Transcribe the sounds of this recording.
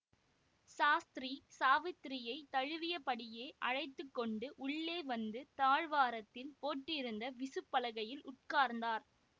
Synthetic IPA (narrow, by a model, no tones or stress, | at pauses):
saːst̪ɾisaːʋɪt̪ːɾɪjɐɪt̪ɐɻɯʋɪjɐpɐɽɪjeːʔɐɻɐɪt̪ːɯkːɔɳɖɯʔʊɭːeːʋɐnd̪ɯt̪aːɻʋaːɾɐt̪ːɪlpoːʈːɪɾɯnd̪ɐʋɪsɯpːɐlɐɣɐjɪlʊʈ̚kaːɾnd̪aːɾ